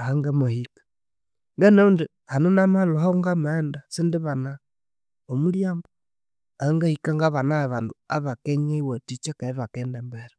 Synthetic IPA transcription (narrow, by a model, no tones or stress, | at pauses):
ahaŋɡamohikḁ | ŋɡenaundi | hanonamalohoŋɡamendasindiβana | omuljaːmbo | aaŋɡahikaŋɡaβanaβaːnduaβakeɲeiwatit͡ʃekaiβakeːndembeɾe